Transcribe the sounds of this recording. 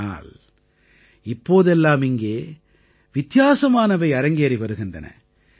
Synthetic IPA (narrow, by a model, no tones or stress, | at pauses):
a̰ːl | ɪpːoːðɛlːaːmɪŋɡeː | ʋɪt̪jaːsɐmaːnɐʋɐɪɐɾɐŋɡeːɾiɪʋɐɾɯɣɪndrɐnɐ̰